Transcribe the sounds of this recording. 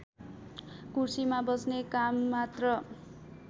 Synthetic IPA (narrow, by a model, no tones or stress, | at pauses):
kursimabʌsnekamːat̪rʌ